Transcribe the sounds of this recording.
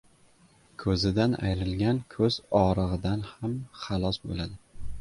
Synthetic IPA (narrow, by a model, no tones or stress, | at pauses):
kʰɵzɪd̪ana̰jɾɪlɡʲankʰɵzɒɾɨʁɨd̪anhamχɑlˠɒsbo̰lad̪ɪ